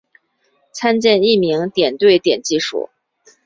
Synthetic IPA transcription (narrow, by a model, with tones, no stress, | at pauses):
t͡sʰa˥nt͡ɕjɛ˥˧ni˥˩mi˧˥ŋt̪jɛ˨˩nt̪we˥˩ɪt̪jɛ˨˩nt͡ɕi˥˧ʂṵ˨˩˦